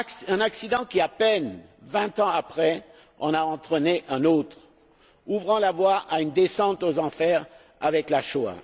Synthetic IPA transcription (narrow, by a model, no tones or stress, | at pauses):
ɛ̃naksid̪ɑ̃kʲiapɛnvɛ̃t̪ɑ̃apχɛ | ɔ̃naɑ̃t̪χəneʔɛ̃not̪χ | uvʁɑ̃lavwaʔaynd̪esɑ̃t̪ozɑ̃fɛʁ | a̰vɛklaʃoa̰